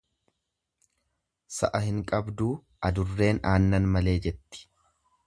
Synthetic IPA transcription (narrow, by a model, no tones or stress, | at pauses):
sɐ̰ʔɐhɪŋkʼɐbd̪uː | ɐd̪ʊrːe̞ːnaːnːɐnmɐle̞ːd͡ʒɛt̪ːɪ̥